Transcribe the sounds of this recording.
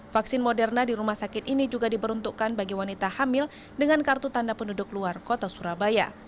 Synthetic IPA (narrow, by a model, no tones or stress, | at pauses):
faksɪnmodɛrnadiɾumahsakɪt̪inid͡ʒuɡadipəɾunt̪ukanbaɡiwanit̪ahamɪl | dəŋankart̪ut̪andapəndudʊkluarkot̪asuɾabaja̰